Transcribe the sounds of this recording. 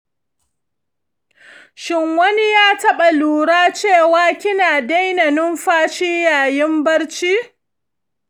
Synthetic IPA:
ʃɪ˦ŋwɐ˦ni˦jaː˦tɐ˦ɓa˨luː˨ɽaː˦t͡ʃeː˦˨waː˦kʲɪ˦naː˨da˦jnɐ˨nʊ˦mɸaː˦ʃiː˦jaː˨jɪ˦mbɐ˦ɽt͡ʃiː˦

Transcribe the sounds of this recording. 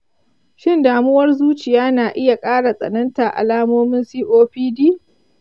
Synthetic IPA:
ʃɪ˦ndaː˨mʊ˦wɐ˦rzuː˦t͡ʃɪ˨jaː˦naː˨ʔɪ˦ja˨kʼaː˦ɽa˨sʼɐ̰˨nɐ˦nta˨ʔa̰˨laː˦moː˦mɪ˦nsiː˦ʔoː˦ɸiː˦diː˦

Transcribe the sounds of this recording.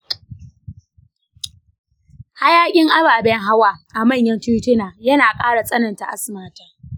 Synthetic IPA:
ha˦jaː˦kʲʼɪ˦ŋʔa˦baː˨bɛ˦ŋɦa˦waː˦˨ʔa˨mɐ˦˨ɲjɐ˦ntu˦tɪ˦naː˨jɐ˦naː˨kʼaː˦ɽa˨sʼɐ˦nɐ˨nta˨ʔa˦smaː˦taː˦

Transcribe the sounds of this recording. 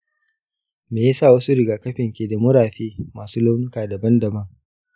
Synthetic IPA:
meː˨jaː˦saː˦˨wɐ˦su˦ɽɪ˨ɡaː˨kɐ˦ɸɪ˨ŋkʲeː˨da˨mʊ˦ɾaː˨ɸeː˦maː˨suː˦lo˦wnʊ˦kaː˨dɐ˨bɐ˦ndɐ˨bɐ˦ŋ

